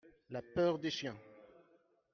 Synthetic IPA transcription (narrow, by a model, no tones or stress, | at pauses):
lapœʁd̪eʃjɛ̃